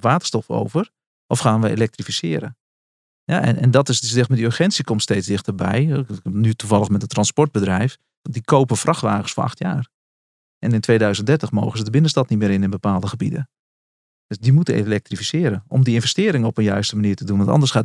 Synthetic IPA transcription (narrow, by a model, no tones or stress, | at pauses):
ʋaːtə̥rstɔfo̰wvər | ʔɔfxaːnʋəḛlɛk̚trifisɪːɾə̰ | ja̰ɛ̰ɛ̰ndɔtɪssdɛxtmadiørχɛntsikɔmtsteːtt͡ssdɪxtərbɛ̰jnytuvɑlˠəmɛtəntrɑnspɔɹrd̚bədrɛjf | dikʰoːpənfrɑxʋaːχəsfoɹɑ̰xtja̰ːr | ʔɛnɪntʋeːdœɥzəndɛrtəχmoːɣəzədəbɪnənstɑtnitmɪːɾɪnɪnbəpaːlˠdəxəbḭdə̰ | d̥øsdimutənelɛk̚trifisɪːɾənɔ̰mdiɪnvɛstɪːɾɪŋəɔpənjœɥstəmaniːtədunʋɑntɑ̰ndərsχa